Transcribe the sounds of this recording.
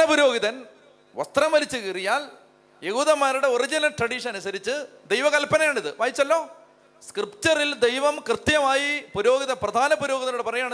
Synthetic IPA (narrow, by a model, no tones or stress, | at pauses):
ɐpuɾo̞ːɡiðɐn | ʋɐ̰st̪rɐmʋɐlit͡ɕːɨkirijaːl | je̞ɣuːðɐmːaːɾuɽe̞orid͡ʑinɐʈrɐɽiʂɐɐnusɐɾit͡ɕːɨd̪e̞jʋɐkɐlpɐnɐjaːɳiðɨʋaːjit͡ɕːɐlːo̞ː | skrɨpt͡ɕɐrild̪ejʋɐmkrɨt̪jɐmaːjipuɾo̞ːɡiðɐprɐd̪ʱaːnɐpuɾo̞ːɡiðɐnuɽepɐrɐjjaːɳ